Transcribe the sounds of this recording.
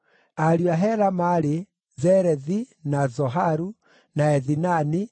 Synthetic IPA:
aɾuaɦɛɾamaɾe | zɛɾɛði | nazɔɦaɾu | naɛðinani

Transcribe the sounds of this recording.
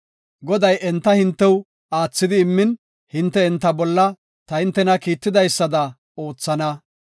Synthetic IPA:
ɡɔd̪ɐjʔɛnt̪ːɐhɪnt̪ːɛw | aːt͡sːɪd̪ɪːmːɪn | hɪnt̪ːɛɛnt̪ːɐbɔlːɐ | t̪ɐhɪnt̪ːɛnɐkiːt̪ːɪd̪ɐjsːɐd̪ɐ | o̞ːt͡sːɐnɐ

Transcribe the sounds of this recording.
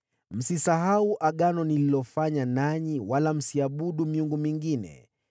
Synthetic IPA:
m̩sisaɦauʔaɠanɔnililɔfaɲanaɲiwalam̩siaɓuɗumiuŋɡumiŋɡinɛ̰

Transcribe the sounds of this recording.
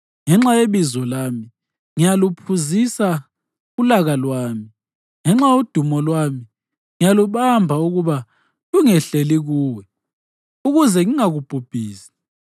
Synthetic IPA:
ŋɛŋ͡ǁajeβizɔlami | ŋijalupʰuzisa | ulaɣalwaːmi | ŋɛŋ͡ǁajud̥ʱumɔlwaːmi | ŋijaluβambʱauɣuβa | luŋɛɬeliɣuːwɛ | uɣuzɛŋiŋaɣub̥ʱub̥ʱiːsi̥

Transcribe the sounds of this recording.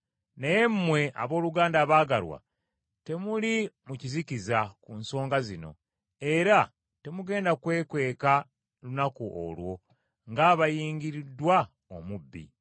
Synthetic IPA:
neje̞mmwe̞a̰βo̞ːluɡaːndaːβaːɡalwa̰ | te̞mulimucizicizakunso̞ːŋɡazino̞̰ | e̞ɾa | te̞muɡe̞ːndakwe̞ːkwe̞ːka | lunakuʔo̰lwo̞ | ŋɡaːβajiːŋɟiɾidwa | omubːḭ

